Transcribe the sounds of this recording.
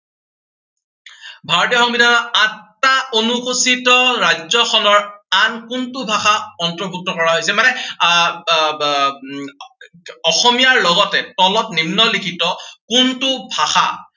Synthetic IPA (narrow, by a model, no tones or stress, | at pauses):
bʱaɹɔtijɔxɔŋbidʱanaatːaonukusitɔɹajzɔxɔnɔɹankʊntʊbʱaxaɔntɔbʱuk̚tɔkɔɹaɦojsɛmanɛ | ɔxɔmijaɹlɔɡɔtɛtɔlɔtnimnɔlikʰitɔkuntʊbʱaxa̰